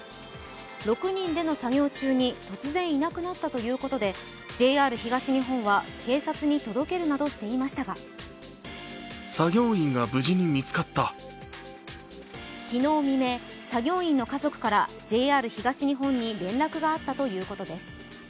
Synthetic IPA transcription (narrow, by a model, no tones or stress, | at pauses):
ɾo̞kɯ̟ɲ̟ĩnd̪e̞no̞saɡʲo̞ːt͡ɕɨːɲ̟it̪o̞t͡sɨzẽ̞ɰ̃inakɯ̟nat̪ːat̪o̞jɯ̟ːko̞t̪o̞d̪e̞ | d͡ʑe̞ːaːɾɯ̟çiɡaɕiɲ̟iɦõ̞ɰ̃βakʰe̞ːsat͡sɨɲ̟it̪o̞d̪o̞ke̞ɾɯ̟nad̪o̞ɕi̥t̪e̞imaɕi̥t̪aɡa | saɡʲo̞ːĩŋɡabɯ̟ʑiɲ̟imʲit͡sɨ̥kat̪ːa | kʲino̞ːmʲime̞ | saɡʲo̞ːĩnːo̞kazo̞kɯ̟̥kaɾa | d͡ʑe̞ːaːɾɯ̟çiɡaɕiɲ̟iɦõ̞ɲ̟ːiɾẽ̞nɾakɯ̟ɡaːt̪ːat̪o̞jɯ̟ːko̞t̪o̞d̪e̞sɨ̥